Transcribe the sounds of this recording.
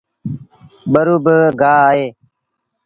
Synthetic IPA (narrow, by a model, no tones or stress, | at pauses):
ɓəɾuːbəɡaːaːɦeː